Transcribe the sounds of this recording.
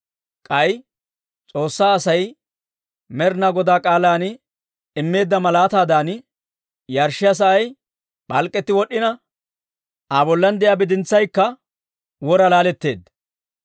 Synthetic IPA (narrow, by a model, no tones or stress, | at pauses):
kʼɐj | t͡sʼo̞ːsːaːsɐj | mɛɾnaɡɔd̪aːkʼaːlaːn | ɪmːe̞ːd̪ːɐmɐlaːt̪aːd̪aːn | jɐɾʃːɪjɐs̬ɐʔɐj | bɐlkʼːɛt̪ːɪwɔɗːɪnɐ | ʔabɔlːɐnd̪ɛjabɪd̪ɪnt͡sːɐjkːɐ | wɔɾɐlaːlɛt̪ːe̞ːd̪